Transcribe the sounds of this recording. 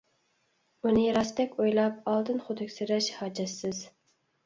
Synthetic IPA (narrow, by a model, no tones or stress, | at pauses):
unɪɾɑst̪ɛkʲojlˠɑp̚ɑlˠd̪ɨnχʊd̪ʰɪkʲsɪɾɛʃhɑːd͡ʒɛsːɪz̥